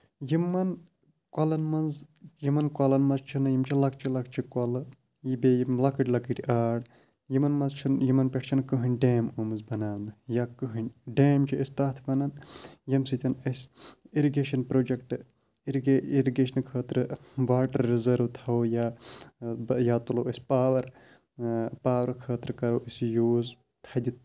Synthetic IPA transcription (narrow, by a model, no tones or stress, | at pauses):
jimːɐn | kɐlɐnmɐnzjimɐnkɐlɐnmɐzt͡ʃʰunɐjimt͡ʃʰilɐkʰt͡ʃʰilɐkʰt͡ʃʰikɐlɨ | jibejimlɐkɨʈʲlɐkiʈʲiʔaːɽ | jimɐnmɐzt͡ʃʰunjimɐnpʲeʈʰt͡ʃʰɐnkɨɦɨnʲɖeːmumɨzbɐnaːwnɨjakɨɦɨnʲɖeːmt͡ʃʰiɐst̪aːt̪ʰʋɐnɐnjɐmsit̪ʲɐnɐsiɾiɡeːʃɐnpɾoːd͡ʒɐkʈɨ | iɾɡeiɾiɡeːʃɐnkʰəːt̪ɾɨʋaːʈɐɾːizɐɾʋt̪ʰɐojaː | jaːt̪uloɐsʲpaːʋɐɾ | paːʋɐɾkʰəːt̪ɾɨkɐɾoːʔisjuːz | t̪ʰɐd̪ʲi